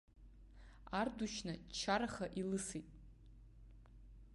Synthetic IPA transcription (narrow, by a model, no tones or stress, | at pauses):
arduʃnɨt͡ʃʰaɾaχaʔilɨsitʼ